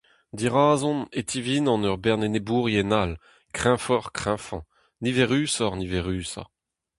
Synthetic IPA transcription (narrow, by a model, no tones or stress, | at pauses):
d̪iʁaːzɔ̃net̪ʰivinɑ̃nœʁbɛʁnenebuːʁjenal | kχɛ̃fɔʁkχɛ̃fɑ̰̃ | nivɛʁyːsɔʁnivɛʁyːsa̰